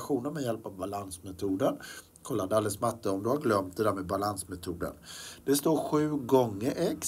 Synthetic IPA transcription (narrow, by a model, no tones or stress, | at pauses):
ɧuːnəɾmɛjɛlpavbalansmɛt̪ʰuːd̪ən | kʰɔlːad̪ɛalɛlsmat̪ːəɔmd̪ɵhaɾɡlœmt̪̚d̪ɛd̪æːɾmɛd̪balansmɛt̪ʰuːd̪ə̰nd̪̥ɛst̪oːɾɧʉ̟ːɡɔŋːəɾʔɛk